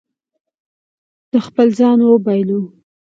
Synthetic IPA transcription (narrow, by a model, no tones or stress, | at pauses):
d̪̥əxpəlzɑnwobɑjlu